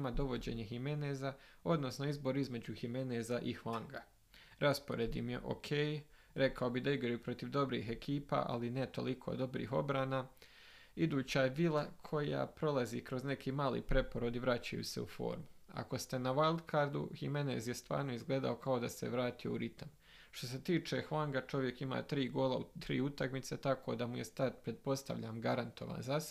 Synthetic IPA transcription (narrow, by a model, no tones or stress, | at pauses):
mad̪o̞ʋo̞d͡ʑe̞ːɲeɦime̞nezao̞d̪no̞sno̞izbo̞ɾizme̞d͡ʑuximenezaʔixʋaŋɡa | ɾʔaspoɾe̞d̪imjeʔo̞̰kʰej | ɾe̞kao̞bid̪aiɡɾajupɾo̞t̪iʋd̪o̞bɾḭːɦe̞kʰiːpa̰ʔa̰linet̪o̞̰likʰo̞̰ːd̪o̞bɾḭːɦo̞̰bɾaːna | id̪uːt͡ɕajeʋilakʰo̞ja̰ːpɾo̞lˠaziːkɾo̞zne̞kʰiːmaːlḭːpɾe̞poɾod̪iʋɾat͡ɕa̰jṵse̞̰ṵfo̞̰ːɾmua̰ko̞st̪e̞naʋalˠd̪kʰaɾd̪ṵhimeneːzjest̪ʋa̰ːɾno̞izɡle̞ːd̪a̰o̞kao̞d̪aseʋɾaːt̪ijouɾit̪am | ʃt̪o̞se̞t̪iːt͡ʃe̞xʋaŋɡat͡ʃo̞ʋje̞kima̰ːt̪ɾiːɡoːlaut̪ɾḭːut̪akmit̪se̞t̪akʰo̞d̪amuje̞st̪ad̪pɾet̪̚po̞st̪a̰ʋʎaːmɡaɾant̪ʰo̞ʋa̰ːnzas